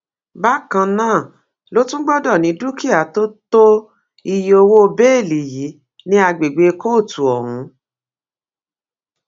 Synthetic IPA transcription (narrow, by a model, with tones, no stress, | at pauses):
ba˦kã˧nãː˦˨ | lo˦tũ˦ɡ͡bɔ˦dɔ˦˨nĩ˨˦du˦ki˦a˨to˦to˦ | i˧jo˧wo˦˧be˦e˦˨li˨ji˨˦ | nĩ˦a˧ɡ͡be˨ɡ͡be˨˧ko˦˨tu˨ɔ˨ɾ̃ũ˨˦